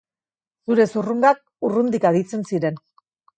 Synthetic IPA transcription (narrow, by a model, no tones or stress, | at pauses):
suɾe̞suruŋɡak̚ | urund̪ikaðit͡se̞nsiɾe̞n